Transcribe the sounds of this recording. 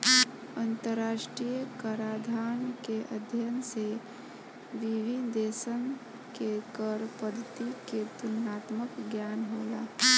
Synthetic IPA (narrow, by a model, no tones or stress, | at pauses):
ə̃nt̪əɾːaːʃʈɾijəkəɾaːd̪ʱaːnkeʔəd̪ʱjənse | ʋiʋind̪eːsən | kekəɾpəd̪ʱt̪iket̪ʊnaːt̪məkɡjaːnɦoːlaː